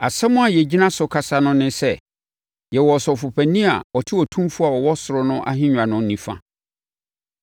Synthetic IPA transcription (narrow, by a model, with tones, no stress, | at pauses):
a˨sɛ˦mʊ̃˦a˨jɛ˨d͡ʑi˦nã˦sʊ˨kʰa˨sa˦nʊ̃˦nɪ̃˦sɛ˦˨ | jɛ˨wɔ˨sɔ˨fʊ˨pʰæ˨nĩ˦a̰˨ɔ˨tʰɪ˦wɔ˨tʰũ˦mfʊ˦a˨wɔ˨wɔ˦sʊ˨ɾʊ˦nʊ̃˦ʔa̰˦ɦɪ̃˦ɲᶣ˨ã˨nʊ̃˦nĩ˨˦fã̰˦